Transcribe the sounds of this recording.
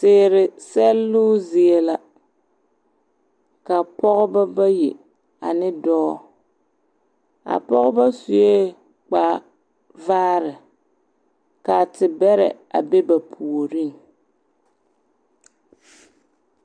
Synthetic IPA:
seː˨ɾɪ˨sɛ˦lːʊː˦zɪ˨e˨la˨ | ka˨pʰɔ˦ɣʊ˦ba˦ba˦ji˨ | a̰˨nɪ˦dɔː˦ | a̰˨pɔ˦ɣʊ˦ba˦su˨je˦ | k͡paː˨ | vaː˦ɾɪ˨ | ka˨tɪ˨bɛ˦ɾɛ̰˨ | a̰˨be˦ba˨pʰu˨o˨ɾi˦ŋ

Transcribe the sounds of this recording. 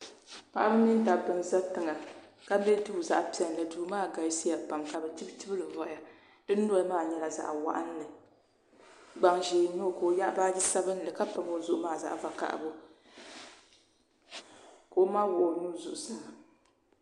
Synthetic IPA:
pa˦˨ʔa˦bɨ˦ni˦n˦ta˨bɨ˨mza˦tɨ˨ŋa˨ka˦bɛ˦tu˦bza̰˨ʔpi˨ɛ˨n˨lɨ˨duː˨maː˦ɡa˨˦si˦ja˨ɡ͡ba˨ŋka˨bɨ˨ti˦btɨ˦bɨ˦lɨ˨vɔ˨˦a˨ | dɨ˦nː˦ɔ˦lmaː˦˨ɲɛ˦la˨za̰˨ʔwa̰˦ʔa˦n˦lɨ˨ | ɡ͡ba˨ŋʒeː˨no˦˨ko˨ja˦ʔbaː˦d͡ʒi˦sa˦bɨ˦n˦lɨ˨ka˦pa˨mo˦zʊ˨ʔʊ˦maː˦˨za̰˨ʔva˨ka̰˨ʔa̰˨bo˦ | ko˨˦ma˦wʊ˨ʔo˨nuː˦zʊ̰˨ʔʊ˨sɨ˦˨

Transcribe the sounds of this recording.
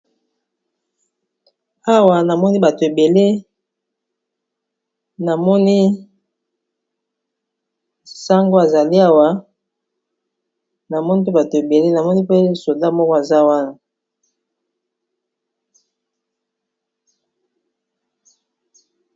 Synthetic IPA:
a˦wa˨na˨mɔ˦ni˦ba˨to˨e˨be˨le˦ | na˨mɔ˦ni˦ | sa˦ŋɡo˦a˨za˨li˦a˦wa˨ | na˨mɔ˦ni˦p̬e˦ba˨to˨e˨be˨le˦na˨mɔ˦ni˦pe˦so˨da˦˨mɔ˦kɔ˦a˨za˦wa˦na˨

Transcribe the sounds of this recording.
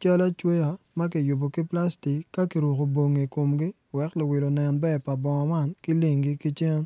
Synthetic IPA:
t͡ʃa˦la˦t͡ʃwe˦ja˨mɐ˦k̬ɪ˨jʊ˨bo˨ki˦pla˦sti˨kːa˦ki˨ɾwu˨ko˨bo˨ŋːe˨ko˨mɡi˦ | wɛ˨klo˨wɪ˨lo˨nɛ˨nbɛ˦˨pa˨bɔ˨ŋɔ˨ma˦˨nkɪ˦li˦˨ŋɡi˦ki˦t͡ʃɛ˦n

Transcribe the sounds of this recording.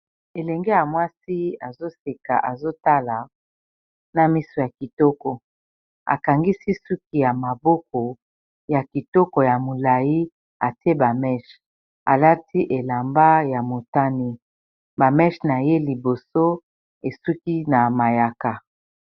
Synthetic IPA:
e˨lɛ˨ŋɡe˦ja˨mwa˦si˦a˨zo˦se˨ka̰˨ʔa˨zo˦ta˦la˨ | na˨mi˦so˨ja˨ki˨tɔ˦kɔ˨ | a̰˨ka˨ŋɡi˦si˦su˦k̚i˦ja˨ma˨bɔ˦kɔ˨ | ja˨ki˨tɔ˦kɔ˨ja˨mo˨la˨ji˦ | a˨te˦ba˨mɛ˦ʃ | a̰˨la˦ti˦ʔe˨la˨mba˦ja˨mo˨ta˦ni˦ | ba˨mɛ˦ʃna˨je˦li˨bo˨so˦ | e˨su˦ki˦na˨ma˨ja˨ka˨

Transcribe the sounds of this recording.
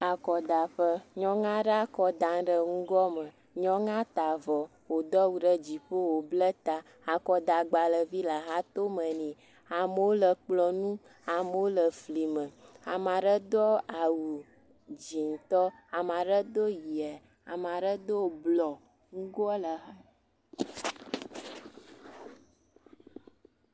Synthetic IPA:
a˨kɔ˨d̪a˨ɸə˦ɲɔ̃˦ŋã˦ɖə˦a˦kɔ˦d̪ã˨ŋ˦ɖə˦ŋũ˦ɡɔ˦mə̃˨ | ɲɔ̃˦ŋã˦t̪a˨vɔ˨ | wo˨d̪ɔ˦wu˨ɖə˦d͡ʑi˨ɸo˦wo˨blə˦t̪a˨ | a˨kɔ˨d̪a˨ɡ͡ba˨lə˨vi˦la˨ɦa˦t̪o˦mə̃˨nĩ˨ | a˨mə˨wo˦lə˨k͡plɔ˨nũ˦ | a˨mə˦wo˦lə˨fli˨mə̃˨a˨mã˨ɖə˦d̪ɔ˦a˨wu˨ | d͡ʒi˨ŋ̩˨t̪ɔ˦a˨mã˨ɖə˦d̪o˦ji˨ɛ˨ | a˨mã˨ɖə˦d̪o˦˨blɔ˨ | ŋu˦ɡo˦ɛ˦lə˨ɦa˦

